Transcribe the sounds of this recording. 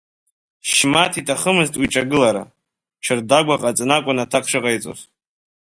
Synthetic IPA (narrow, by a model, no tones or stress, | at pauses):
ʃmatʰitʰʼaχəmɨztʼwiʈ͡ʂʼaɡɨlaɾa̰ | ʈ͡ʂʰɨrdaɡʷaqʼat͡sʼɨnakʷʼʊnatʰakʷʰʂɨqʼajt͡sʼo̰z